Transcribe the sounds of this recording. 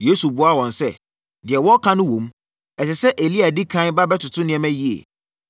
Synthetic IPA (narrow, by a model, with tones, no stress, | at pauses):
je˦su˨bʊ˦a˦˨wɔ̃˨n˨sɛ˦ | dɪ˨ɛ˨wɔ˦kʰã˦nʊ̃˦wõ˨m | ɛ˨s̬ɛ˨sɛ˦ʔe˨li˦a˨di˦kʰã˦n˦ba˦bɛ˦tʰʊ˨tʰʊ̃˦nɪ̃˨ɛ̃˦mæ̃˦ji˦ḛ˨